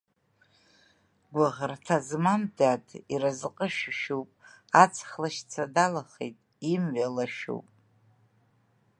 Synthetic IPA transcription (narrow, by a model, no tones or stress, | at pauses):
ɡʷaʁrtʰazmamdatʰiɾazqʼəʃᶣʃuwpʼ | at͡sʰχlaʃt͡sʰadalaχḛjtʼ | imɥalaʃṵwpʼ